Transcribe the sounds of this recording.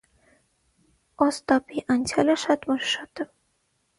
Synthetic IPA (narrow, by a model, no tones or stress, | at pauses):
ɔst̪apiʔant͡ɕʰaleɾʃat̪ʰmoʃʃɔt̪e